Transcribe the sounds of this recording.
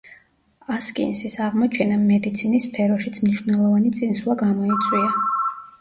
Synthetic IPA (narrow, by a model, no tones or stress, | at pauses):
askʼḭnsisaʁmɔt͡ʃʰɛnamɛd̪it̪sʰinispʰɛɾɔʃit̪sʰmniʃwvnɛlˠɔvanit̪sʼinslˠaɡamɔit̪sʼwia